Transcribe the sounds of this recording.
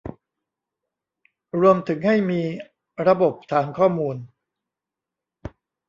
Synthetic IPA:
ɾu˧əmt̪ʰɯ˩˦ŋha˥˩jmiː˧ | ɾa˧bo˨˩p̚t̪ʰaː˩˦ŋkʰɔː˥˩muː˧n

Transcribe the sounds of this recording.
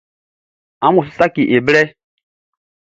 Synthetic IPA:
ã˦mu˨s̬i˦sa˦ki˨ʔe˨blɛ˦

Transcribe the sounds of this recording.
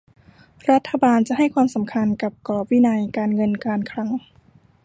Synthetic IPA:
ɾa˦˥t̪ʰːa˧baː˧nt͡ɕa˨˩ʔha˥˩jkʰwaː˧msa˩˦mkʰa˧nka˨˩p̚kɔː˨˩p̚wiː˦˥˩na˧jkaː˧nŋɤ˧nkaː˧nkʰɾa˦˥ŋ

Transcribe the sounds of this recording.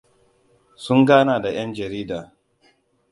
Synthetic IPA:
sʊ˦ŋɡaː˦naː˨da˨j̰ɐ˦nd͡ʒɐ˨ɾiː˦daː˨

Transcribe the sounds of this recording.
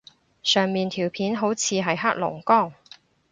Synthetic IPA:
sœː˨˩ŋmiː˨nt̪ʰiː˨˩wpʰiː˨˥nɦo˨˥wt͡sʰiː˨˧ɦɐ˨jɦaː˥k̚lʊ̰˨˩ŋkɔː˥˩ŋ

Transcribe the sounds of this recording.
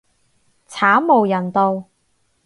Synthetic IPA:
t͡sʰaː˨˥wmo˨˩wjɐ˨˩nt̪o˧w

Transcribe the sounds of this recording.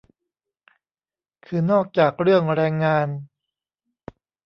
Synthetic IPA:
kʰɯː˧nɔː˥˩k̚t͡ɕaː˨˩k̚ɾɯ˥˩əŋɾɛː˧ŋːaː˧n

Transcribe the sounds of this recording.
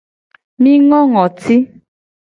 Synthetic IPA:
mĩ˦ŋɔ˦ŋɔ˨tʰi˦

